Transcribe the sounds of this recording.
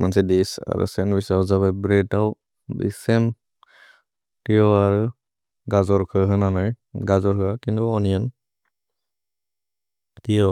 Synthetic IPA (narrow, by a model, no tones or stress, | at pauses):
mansɛdisa̰ɾɯ̰sɛnbisazaβajbɾɛtaw | bḭsɛn | tijɔaɾɯ | ɡazɔɹkʰɯɦɯnanɯj | ɡazɔɹkɯakintuɔnijan | tijɔ